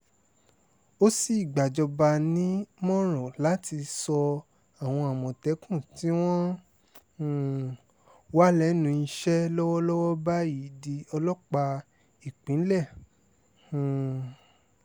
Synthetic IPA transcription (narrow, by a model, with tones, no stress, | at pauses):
o˦si˦i˨ɡ͡ba˨d͡ʒɔ˧ba˧nĩ˦mɔ̃˦ɾ̃ɔ̃˨la˨˦ti˧sɔ˧ | a˨w̃ɔ̃˧a˨mɔ̃˨tɛ˨˦kũ˦˨ti˦w̃ɔ̃˦˨ | wa˦lɛ˦nũ˧i˧˦ʃɛ˦lɔ˦wɔ˦lɔ˦wɔ˦ba˦ji˨˦˨di˧ɔ˧lɔ˦k͡pa˧ | i˨k͡pĩ˨˦n̩˦lɛ˦˨ | h̩˨